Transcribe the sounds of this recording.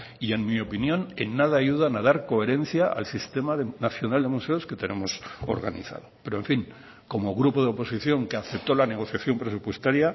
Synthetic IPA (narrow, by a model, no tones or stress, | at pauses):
ie̞nmio̞pinjõ̞ne̞̰nːað̞aːʝuðanað̞aɾko̞e̞ɾe̞n̟θjaa̰lsist̪e̞maðenaθjo̞nald̪e̞muse̞oske̞t̪e̞ne̞mo̞so̞̰ɾɣanḭθa̰ð̞o̞pe̞ɾoeɱfiŋ | ko̞mo̞ɣɾupo̞ðeo̞po̞siθjo̞ŋkeaθe̞p̚t̪o̞lane̞ɣ̞o̞θjaθjo̞mpɾe̞s̬upwe̞st̪aɾja